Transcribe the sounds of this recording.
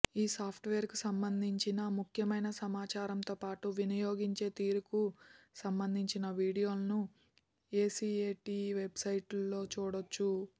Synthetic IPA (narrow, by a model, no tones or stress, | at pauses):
iːsaːpʰʈʋeːɐɾkusɐmbɐnd̪ʱiɲt͡ʃinɐmukʰjɐmɐjnɐsɐmaːt͡ʃaːɾɐmt̪o̞ːpaːʈuʋinɐjo̞ːɡiɲt͡ʃe̞ːt̪iːɾukusɐmbɐnd̪ʱiɲt͡ʃinɐʋiːɽijo̞ːlɐnu | e̞ːsiːeːʈiːʋe̞bsɐjʈlːo̞ːt͡ʃuːɽot͡ʃːu